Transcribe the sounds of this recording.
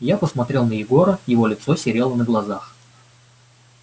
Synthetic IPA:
japəsmɐt̪ɾʲe̞lˠnəjɪɡo̞ɾəjɪvo̞lʲɪt̪so̞sʲɪɾʲe̞lˠənəɡlˠɐzax

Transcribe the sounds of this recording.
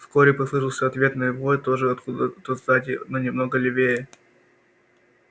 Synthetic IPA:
fsko̞ɾʲɪpɐslˠɨʂɨlˠsʲəɐt̪vʲe̞t̪nəlʲɪvojt̪oʐɨɐt̪ud̪ət̪ot̪d̪atʲɪnonʲɪmnoɡəlʲɪvʲejə

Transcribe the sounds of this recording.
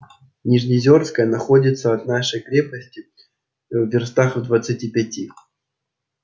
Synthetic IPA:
nʲɪʐnʲɪzʲo̞rskəjənɐxodʲɪt̪səɐt̪naʂəjkɾʲepəsʲtʲɪ | vvʲɪrst̪axvd̪vət̪sɨtʲipʲɛtʲi

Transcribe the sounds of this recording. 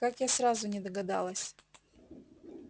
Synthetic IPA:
kakjasɾazʊnʲɪd̪əɡɐd̪a̰lˠəsʲ

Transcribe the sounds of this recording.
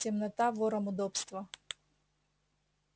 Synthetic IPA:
tʲɪmnɐt̪avɔɾɐmʊd̪ɔpst̪vɐ

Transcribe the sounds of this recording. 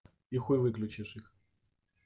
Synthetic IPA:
ixujvɨklʲut͡ɕiʂix

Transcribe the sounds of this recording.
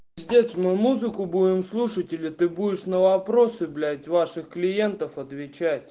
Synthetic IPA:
zʲdʲesʲmɨmuzɨkʊbudʲɪmslˠuʂətʲɪlʲɪt̪ɨbudʲɪʂnəvɐpɾo̞sɨblʲætʲvaʂɨxklʲɪje̞nt̪əfɐt̪vʲɪt͡ɕætʲ

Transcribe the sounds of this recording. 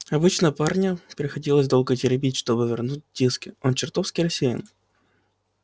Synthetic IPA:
ɐbɨt͡ɕnəəparnʲəpɾʲɪxɐdʲilˠəzʲd̪o̞lˠɡətʲɪɾʲɪbʲitʲʂt̪o̞bɨvʲɪrnut̚ʲdʲiskʲɪont͡ɕɪrt̪ofskʲijɾɐsʲejɪ̰n

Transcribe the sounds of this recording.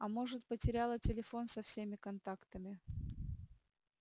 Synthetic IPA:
ɐmo̞ʐɨt̪̚pətʲɪɾʲalˠətʲɪlʲɪfo̞nsɐfsʲemʲɪkɐnt̪akt̪əmʲɪ

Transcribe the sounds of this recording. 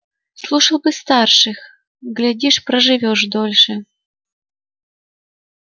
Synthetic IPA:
slˠuʂɐlˠbɨst̪arʂɨx | ɡlʲadʲiʂpɾəʐɨvʲoʂd̪olʲʂɨ

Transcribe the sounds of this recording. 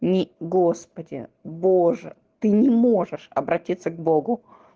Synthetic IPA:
nʲɪɡo̞spədʲɪ̰boʐɨ̰ | t̪ɨnʲɪmo̞ʐɨʂɐ̰bɾɐtʲit̪sːəɡbo̞ɡʊ

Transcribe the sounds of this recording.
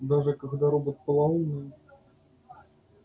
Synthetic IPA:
d̪aʐɨkaɣd̪aɾɔbɨt̪̚pəlˠaunɨ

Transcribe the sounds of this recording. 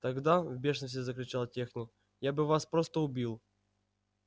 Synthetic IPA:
t̪ɐɡd̪avbʲe̞ʂnəsʲtʲɪzəklʲɪt͡ɕalˠtʲe̞xnʲɪk | jabɨvaspɾost̪əʊbʲilˠ

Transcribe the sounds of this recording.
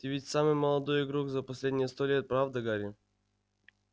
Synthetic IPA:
t̪ʲɪvʲitʲsamɨjməlˠɐd̪ojɪɡɾuɡzɐpɐsʲlʲedʲnʲɪjəst̪olʲet̪̚pɾavd̪əɡaɾʲɪ

